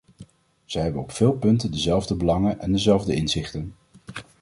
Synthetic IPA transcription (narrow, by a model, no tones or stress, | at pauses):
z̥əjɦɛbənɔpfɪːlˠpɵntəndəzɛlˠvdəbəlɑŋənʔɛndəzɛlˠvdəɪnzɪχtən